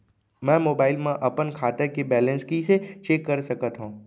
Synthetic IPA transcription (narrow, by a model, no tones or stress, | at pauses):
mɛ̃moːbaːɪlmẽʔɐpənkʰaːt̪ekebɛːlə̃nskiset͡ʃeːkːəɾsɐkət̪ɦũː